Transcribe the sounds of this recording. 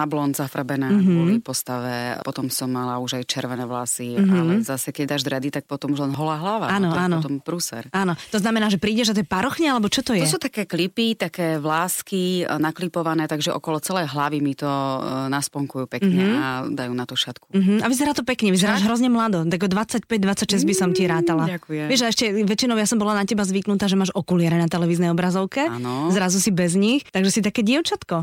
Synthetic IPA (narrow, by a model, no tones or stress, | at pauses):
nablɔnzafɾabɛnɛːɦbɔlifpɔst̪aʋɛpɔt̪ɔmsɔmːalauʒajt͡ʃɛɾʋɛnɛːʋlasialɛzasɛkɛɟd̪aːʒd̪ɾɛd̪it̪ak̚pɔt̪ɔmuʒlɛnɦɔlaɦlaʋa̰anɔanɔt̪ɔmpɾusɛ̰ɾanɔt̪ɔznamɛnaːʒɛpɾiːɟɛʒat̪ɔɛpaɾɔxɲɛalɛbɔt͡ʃɔt̪ɔj̪ɔɛsuːt̪akɛːklipit̪akɛːʋlaːskinaklipɔʋanɛːt̪aɡʒɛʔɔkɔlɔt͡sɛlɛjɦlaʋimit̪ɔnaspɔŋkujuːpɛkːɲɦɛad̪ajuːnat̪ɔʃat̪kum̩ɦm̩aʋizɛɾaːt̪ɔpɛkɲɛʋizɛɾaːʒɦɾɔzɲɛmlad̪ɔt̪aɡɔd̪ʋat͡sːacpɛɟ̚d̪ʋat͡sːacʃɛzɟbisɔmciɾaːt̪alaakuɛʋɛʒaɛʃcɛʋɛt͡ʃinɔʊjasɔmbɔlanacɛbazʋiknut̪aːʒɛmaːʃɔkulɪɛɾɛnat̪ɛlɛʋiːznɛjɔbɾazɔʊkɛanɔzɾazusibɛzɲixt̪aɡʒɛsit̪akɛːɟɪɛʊt͡ʃat̪kɔ